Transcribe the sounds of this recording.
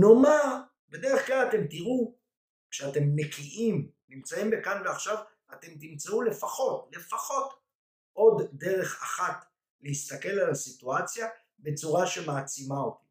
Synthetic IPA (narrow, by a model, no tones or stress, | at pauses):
nomaʁ | be̞de̞ʁe̞χklalate̞mt̪iʁu | kʃeate̞mːe̞kʰiʔim | nimt͡saimbekanveaχʃav | at̪e̞mt̪imt͡saule̞faχo̞tle̞faχo̞t | ʔo̞d̪de̞ʁe̞χa̰χat | lehist̪ake̞lalasituat͡sja | be̞t͡suʁaʃe̞maːt͡simao̞ti